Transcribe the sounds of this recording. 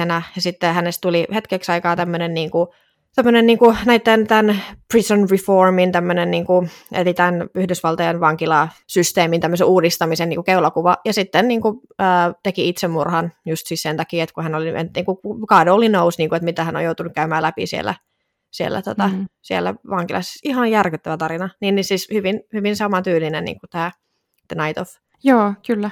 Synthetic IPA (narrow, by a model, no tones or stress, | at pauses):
enæjɑsit̪ːehænest̪t̪ulihet̪keksɑikɑːt̪æmːønenniːŋku | t̪æmːønenniːŋkunæit̪ːent̪ænprisonriformint̪æmːønenniːŋkuḛlit̪ænyhdysʋɑlt̪ɑjɑnʋɑŋkilɑsyst̪eːmint̪æmːøseuːdist̪ɑmisenːiːŋkukeulɑkuʋɑjɑsit̪ːenniːŋku | əːt̪ekiit̪semːurhɑnjust̪siːssent̪ɑkiːet̪kuhænoliḛt̪niːŋkuukɑːdoolinousniːŋkuet̪mit̪æhæno̰jout̪unːukæymæːlæpḭsiḛlːˑæ̰ | siḛlːæ̰t̪ot̪ɑsielːæ̰ʋɑŋkilɑ̰se̥sihɑnjærkyt̪ːæʋæt̪ɑɾinɑniːnːisiːshyʋinhyʋinsɑmɑt̪yːlinennḭːŋkut̪æː | t̪ːnɑit̪of | joːkylːæ